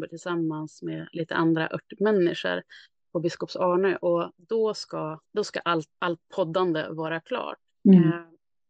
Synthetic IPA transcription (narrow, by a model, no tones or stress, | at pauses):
bəʈʰɪlsamːansmeliːt̪əʔand̪ɾa̰ʔœʈːmɛnːɪʂə̰ɾ | pʰɔbɪskɔpsɑːɳøʔɔd̪ɔskad̪ɔska̰ʔalt̪alt̪̚pʰɔd̪ːand̪ə̰vɑːɾakʰlɑ̰ːʈ